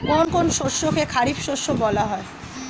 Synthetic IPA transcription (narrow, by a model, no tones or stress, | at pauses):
konkonʃoɾʃːokekʰaɾibʃoʃobɔlaɦɔe